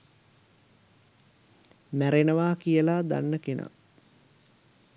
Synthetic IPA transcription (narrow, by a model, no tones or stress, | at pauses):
mæɾenəʋaːkijəlaːd̪a̰nːəkenʔa̰